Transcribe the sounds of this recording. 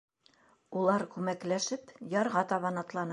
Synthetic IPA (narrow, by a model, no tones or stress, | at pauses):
ulˠɑɾkʉmæklæʃɘpjɑɾʁɑt̪ɑβɑnɑt̪lˠɑnɤ